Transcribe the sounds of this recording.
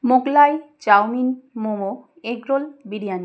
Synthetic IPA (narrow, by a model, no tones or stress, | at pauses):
moɡlajt͡ɕawminmomo | eɡɾolbiɽijani